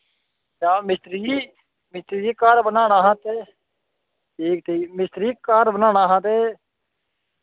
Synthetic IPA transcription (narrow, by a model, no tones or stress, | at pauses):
t͡ʃaːmɪst̪ɾi | mɪst̪ɾiːkaːɾbənaːɽaːɦãt̪e | k̚t̪ʰiːmɪst̪ɾiːkːaːɾbənaːɽ̃aːɦãt̪e